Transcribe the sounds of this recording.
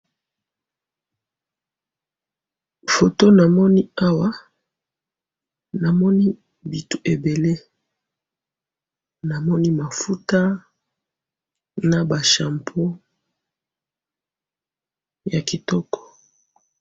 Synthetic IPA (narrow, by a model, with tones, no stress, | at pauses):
fo˨to˦na˨mɔ˦ni˦a˦wa˦ | na˨mɔ˦ni˦ | bi˨tu̥˦ʔe˨be˨le˦ | na˨mɔ˦ni˦ma˨fu˦ta˦ | na˨ba˨ʃa˨mpʰo˦ | ja˨ki˨tɔ˦kɔ̥˨